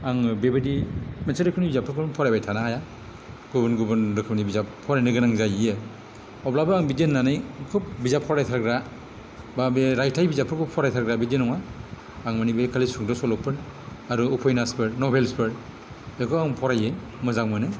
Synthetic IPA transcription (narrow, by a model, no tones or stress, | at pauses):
aŋbebedimensaɾɯkʰɯpnibizapʰɯɾkʰɯbnpʰɔɾajbajtʰanaaja | ɡubɯnɡubɯnɾɯkʰɯp̚nibizappʰɔɾajnɯɡɯnaŋzajɯ | ɔblabɯaŋbidenːanɯjkʰup̚bizapʰɔɾajtʰaɾɡɾa | babeɾajtʰajbizapʰɯɾkuppʰɔɾajtʰaɾɡɾabidinɔŋaː | ŋmanibekʰalisuŋdɔsɔlɔpʰːɯɾ | aɾuːpʰɔjnaspʰɯɾnɔbelspʰɯɾ | jekʰɯaŋpʰɔɾajɯ | mɯzaŋmɯnɯ